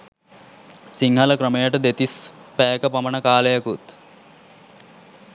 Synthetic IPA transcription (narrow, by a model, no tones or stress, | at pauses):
siŋɦɐləkɾəmejəʈəd̪et̪ispæːkəpamənəkaːləjakut̪